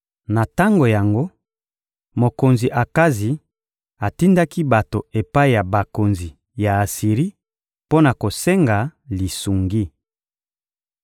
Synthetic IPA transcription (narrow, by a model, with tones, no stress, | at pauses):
na˨ta˦ŋɡo˨ja˨ŋɡo˦ | mo˨ko˨nzi˨ʔa˨ka˦zi˨ | a˨ti˦nda˦ki˦ba˨to˨e˨pa˦i˨ja˨ba˨ko˨nzi˨ | ja˨a˨si˨ʁi˦ | po˦na˨ko˨se˦ŋɡa˨li˨su˨ŋɡi˦